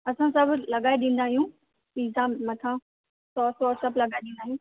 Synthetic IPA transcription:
ɐsãsɐbʱlɐɡaːiɗĩːn̆d̪aːɦijũ | iːzãːmːɐt̪ʰã | sɔːsɔsɐblɐɡaːɪɗĩːnd̪aːɦijũː

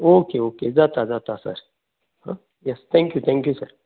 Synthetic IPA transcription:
oːkeːoːkezat̪aːzat̪asɐ̰ɾ | hã̰ | jɛst̪ʰɛ̃ːŋkjut̪ʰɛ̃ːŋkjusɐ̰ɾ

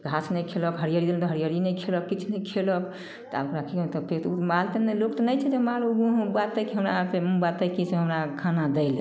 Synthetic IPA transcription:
ɡʱasnɛkʰeləkɦəɾijəɾid̪elnt̪ɔɦəɾijəɾinɛkʰeləkːit͡ʃʰnɛkʰelək | t̪ɔa̰bkɾakʰikt̪ɔpʰet̪uɾmalt̪enɛlokt̪ɔnəjt͡ʃʰɛd͡ʒemaluɡuɦbat̪əkiɦəmɾat̪emubat̪əkiseɦəmɾakʰanad̪eɪl

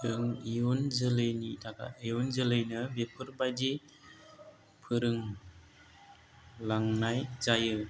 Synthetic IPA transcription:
ɯŋijunzɯlɯjnidaɡa̰ijunzɯlɯjnɯbepʰɯɾbajde | pʰɯɾɯŋ | laŋnajzajɯ

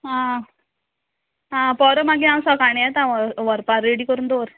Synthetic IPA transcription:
ɦã | ɦãpɔɾəmaɡiãwsɔkaɳjat̪ãʋʋəɾpaɾːeɽikəɾuːnd̪oɾ

